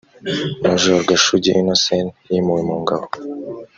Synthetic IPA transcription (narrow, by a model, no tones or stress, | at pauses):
maʒoɾɡaʃuɟiʔinasenjimuwimuːŋɡaβo